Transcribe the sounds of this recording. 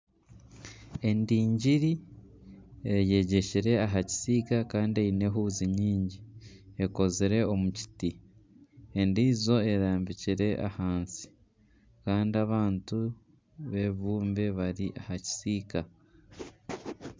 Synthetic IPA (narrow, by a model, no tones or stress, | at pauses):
e̞ndiːɲɟiɾi | eje̞ɟe̞ciɾe̞aɦaci̥siːkakaːndiejine̞ɦuːziɲiːɲɟi | eko̞ziɾe̞o̞muci̥ti | e̞ndiːzo̞e̞ɾaːmbiciɾe̞ʔa̰haːnsi̥ | kaːndiaβaːntu | βe̞βuːmbe̞βaɾiʔahaci̥siːka